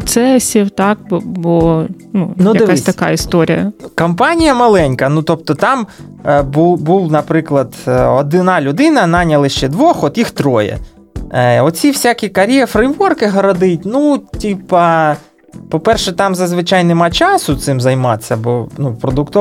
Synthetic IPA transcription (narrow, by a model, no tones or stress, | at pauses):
t̪sɛsʲiwt̪ɑkbbɔ | nunujɐd̪ɪassʲt̪ɐkɑ̰ist̪ɔɾʲḭjɐ̰kɐmpɑnʲijɐmɐlˠɛnʲkɐnut̪ɔp̚t̪ɔt̪ɑm | bubuwnɐpɾɪklˠɐd̪ɔd̪ɪnɑlʲʊd̪ɪnɐnɑnʲɐlˠɪʃt͡ʃɛd̪ʋɔxɔt̪jixt̪ɾɔjɛ̰ | ɔt͡sʲiwsʲakʲikɐɾʲjɛfɾɪjʋɔrkɪɦɐɾɔd̪ɪtʲnutʲipɐ | pɔpɛrʃɛt̪ɑmzɐzʋɪt͡ʃɑjnɛmɑt͡ʃɑsʊt̪sɪmzɐjmɑt̪sʲːɐbɔnupɾɔd̪ʊkt̪ɔ